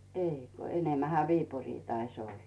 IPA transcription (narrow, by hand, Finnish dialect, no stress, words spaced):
eˑiko enemːæhæ ʋiːpuriː tɑis olːɑ